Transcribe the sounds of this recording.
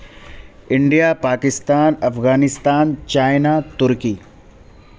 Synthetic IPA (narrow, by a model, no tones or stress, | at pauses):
ɪɳɖijapaːkɪst̪aːnɐfɣaːnɪst̪aːnt͡ʃaːɪnat̪ʊɾkiː